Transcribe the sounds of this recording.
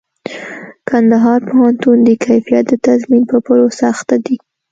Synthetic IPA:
kand̪aɦɑɾpohant̪und̪əkʰajfijat̪̚d̪ət̪azminpəpəɾosaxt̪ad̪i

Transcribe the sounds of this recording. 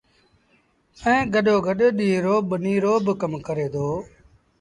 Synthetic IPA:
ɛ̃ːɡəɗoːɡəɗːɗiːɾoːbəniːɾoːbkəmkəɾeːd̪oː

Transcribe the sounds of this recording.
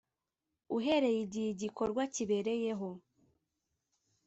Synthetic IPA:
uɦe̞ɾe̞jiɟiiɟiko̞ɾɡwaciβe̞ɾe̞je̞ɦo̞

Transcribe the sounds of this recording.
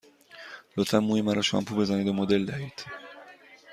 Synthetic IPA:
lot̪fæmːuːjemaɾɔʃoa̰mpʰubezaned̪omod̪eld̪æhiːt̪

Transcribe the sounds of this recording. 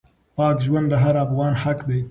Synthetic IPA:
pɑːkʒwɐnd̪d̪ɐɦɐɾɑːbɨwɑːnħakd̪eː

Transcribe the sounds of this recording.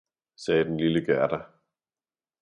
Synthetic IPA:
sɛːd̥enliləɡ̥æɐd̥æ

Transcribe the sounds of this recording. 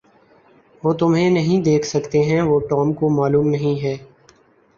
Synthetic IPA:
ʋoːt̪ʊmɦẽnɐɦĩd̪eːkʰsɐkt̪eɦɛ̃ʋoːʈɔːmkomaːluːmnɐɦĩɦɛː

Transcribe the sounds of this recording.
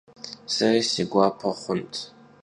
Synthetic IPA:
sɐrisiɡʷapʰɐχʷʊntʰ

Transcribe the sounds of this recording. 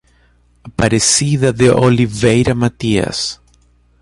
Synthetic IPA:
paɾesiðaðeʔolivejɾamat̪ia̰s

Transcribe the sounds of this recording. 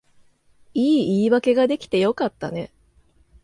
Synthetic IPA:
iːiːβake̞ɡad̪e̞kʲi̥t̪e̞jo̞kat̪ːane̞

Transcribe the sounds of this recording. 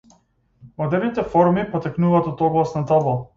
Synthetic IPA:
mɔd̪ɛɾnit̪ɛfɔɾmipɔt̪ɛknuvaːt̪ɔt̪ɔɡlˠasnat̪ɔbˠɔ

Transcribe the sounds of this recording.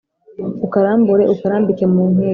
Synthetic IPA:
ukaɾaːmbuɾeʔukaɾaːmbikemuːnhe

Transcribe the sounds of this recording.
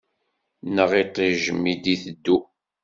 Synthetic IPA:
nəʁit̪ˤːiʒəmːid̪iθəd̪ːu

